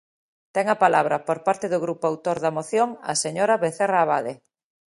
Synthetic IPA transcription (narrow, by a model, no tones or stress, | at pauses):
t̪ɛŋɐpalaβ̞ɾɐpoɾpaɾt̪eðʊɣɾupoawt̪oɾðɐmoθjoŋɐ̰seɲoɾaβeθeraːβaðe